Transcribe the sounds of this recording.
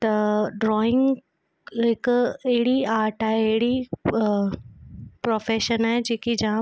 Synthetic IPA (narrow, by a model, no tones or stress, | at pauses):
t̪ɐɖɾɔːɪ̃ŋɡ | ɦɪkɐɦɪɽiaːɾʈaːɦeːɦɪɽi | pɾoːfeːʃənaːɦed͡ʑeːkid͡ʑã